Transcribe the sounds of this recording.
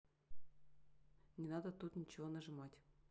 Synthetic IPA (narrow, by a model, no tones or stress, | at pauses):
nʲɪnɑd̪ət̪ut̪nʲit͡ɕɪvonəʐɨmɑtʲ